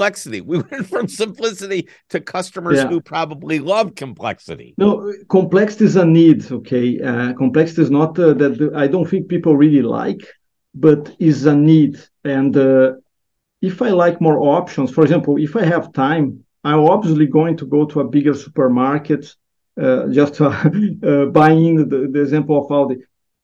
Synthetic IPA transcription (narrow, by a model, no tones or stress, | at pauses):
lɛksɨɾḭwiwɛ̃ntfɹʌ̃msɨ̃mplɪsɨɾi | ɾɨkʰʌstəmə˞zæhupʰɹ̥ɑbəblilʌv̥kʰɨ̃mpʰl̥ɛ̰ksɨ̰ɾḭnoʊkõmplɛksɪ̥t̪iɪzənid̪okʰeɪʌkõmplɛksit̪iːznɔt̪ðɛt̪̚ajdõt̪θĩŋk̚pipl̩ˠɹilila̰jk | bʌt̪ɪzənid̪ | ɛ̃nd̪ | ɪfajlajkmɔɹʔɔpʃɔ̃nsfɔɾeɡzɛ̃mpl̩ˠɪfajɦɛv̥t̪ʰãɪ̃m | ãj̃mɔbviiliɡoɪ̃ŋt̪uɡoʊt̪ʰuɐbɪɡə˞su̥pəɹmaɹkɨt̪ | ad͡ʒɐst̪ | abajĩndəd̪ieɡzɛ̃mpl̩ˠɔvawd̪i